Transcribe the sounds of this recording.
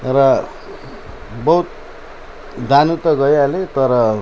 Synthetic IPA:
ɾʌ | bʌɦut̪̚ | d̪ʱanut̪ʌɡʌjalet̪ʌɾʌ

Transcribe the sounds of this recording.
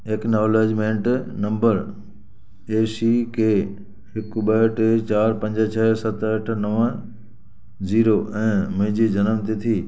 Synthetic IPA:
eːknoːleːd͡ʑmẽːɳʈnɐ̃mbəɾ | eːsikʰeː | ɦɪkɓəəʈʰt͡ɕaːɾpɐ̃ɲd͡ʑət͡ɕʰɛːsɐt̪əʈʰnɐʋə | ziːɾoːʔɛ̃ːmʊ̃ɦɪ̃ɲd͡ʑid͡ʑɐnəmt̪it̪ʰiː

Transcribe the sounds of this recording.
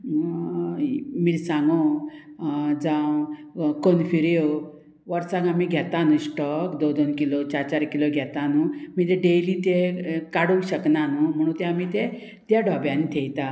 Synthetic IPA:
miɾsãŋɡo | d͡zãwkonfiɾjo | ʋəɾsãɡãmiɡʱjɛt̪anũsʈɔkd̪od̪onkilot͡ɕaɾt͡ɕaɾkiloɡʱɛt̪anumit̪eɖelit̪ekaɽəwɕəknanum̤əɽ̃ũt̪eamit̪e | t̪jaɖʱɔbjãnit̪ʰejt̪a

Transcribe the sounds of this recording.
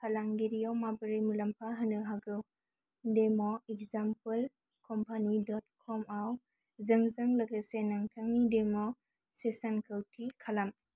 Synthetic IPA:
pʰalaŋɡiɾiawmabəɾimulɐmpʰaɦɯnɯɦaɡɯw | demɔek̚zampəl | kʰɔmpʰanidɔt̚kʰɔmaw | zɐŋzɐŋlɐɡɐsenaŋtʰaŋnidemɔ | sesankʰəwtʰikʰalam

